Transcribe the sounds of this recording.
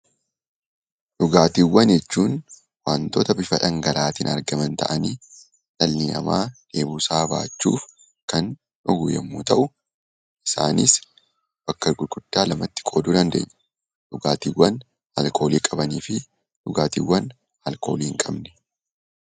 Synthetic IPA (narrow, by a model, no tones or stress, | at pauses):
ᶑʊɡaːt̪iːwːɐnjɛt͡ʃːuːn | waːnt̪oːt̪ɐbɪfɐᶑɐŋɡɐlaːt̪iːnɐ̰ɾɡɐmɐnt̪ɐ̰ʔɐniː | ᶑɐlːinɐ̰maːd̪̥e̞ːbuːsaːba̰ːt͡ʃːṵːf | kɐn | ɔɡʊːjɛ̰mːṵːt̪ɐʔʊ | ʔɪsa̰ːnis | b̥ɐkːɐɾɡʊlɡʼʊd̪̥ːaːlɐmɐt̪ːɪ̥kʼo̞ːd̪uːd̪ɐnd̪eːɲːɐ̥ | ᶑʊɡaːt̪iːwːɐn | hɐ̰lkʰo̞ːliːkʼɐbɐniːfɪ | ᶑʊɡaːt̪ḭːwːɐn | hɐlko̞ːliːhɪŋkʼɐbnɛ̥